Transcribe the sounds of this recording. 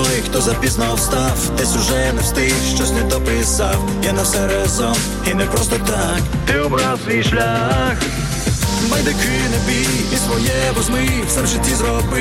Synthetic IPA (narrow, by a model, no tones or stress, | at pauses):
ɔjxt̪ɔzɐpʲiznawst̪awt̪ɛsʲʊʒɛnɛst̪ɪʃt͡ʃɔsnɛd̪ɔpɾɪsaw | janɐsɛɾɛzɔ | inɛpɾɔst̪ɔt̪a | k | t̪ɪɔbɾawsʋʲijʃlʲax | bɐjd̪ɛkɪnɛbi | isʋɔjɛbɔzmɪ | sɛmʒɪt̪ʲːizɾɔbɪ